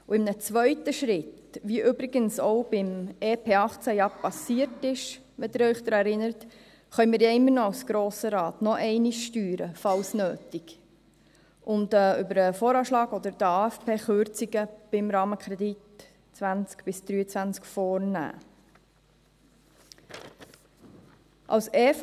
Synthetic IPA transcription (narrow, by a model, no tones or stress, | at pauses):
uɪmnət͡sʋœʏtəʃɾɪt | ʋiʔʏbɾɪɡ̥ənsɔʊb̥ɪmeːpʰeːɑχt͡sæjɑpɑsiəɾtɪʃ | ʋɛd̪ɪɾœʏχd̪ɾɑɛɾɪnəɾət | χœʏmiːɾjaɪmːəɾnɔɑwsɡ̥ɾoːsəɾɑːt̪nɔʔɛɪniʃʃtyːɾəfɑlsnøːtiɡ̥ | ʔʊnt̪əʏbəɾəfoːɾɑːʃlɑːɡɔd̪əɾd̥əɑːɛfpeːχʏɾt͡siɡəb̥ɪmɾɑːməkʰɾɛd̪it | t͡sʋænt͡skb̥ɪsd̪̥ɾyːət͡sʋænt͡skfɔːɾnæ̰ː | ʔɑ̰wseːf